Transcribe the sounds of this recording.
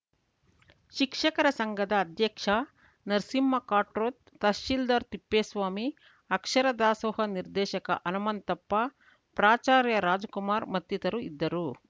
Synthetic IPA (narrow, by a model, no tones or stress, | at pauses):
ʃikʂɐkɐɾɐsɐŋɡɐd̪ɐːd̪jɐkʂɐ | nɐɾsimːɐkaːʈɾoːt̪ːɐʃild̪ɐɾt̪ipːeːsʋaːmi | ɐkʂɐɾɐd̪aːsoːhɐniɾd̪ɛːʃɐkɐ̰ʔɐnɐmɐnt̪ɐpːɐ | pɾaːt͡ʃaːɾjɐɾaːd͡ʒɐkumaːɾmɐt̪jit̪ɐɾuid̪ːɐɾu